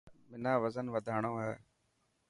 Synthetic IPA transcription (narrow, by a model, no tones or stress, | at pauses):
mɪnaːʋəzənʋəd̪ʱaːɳ̃õːɦɛː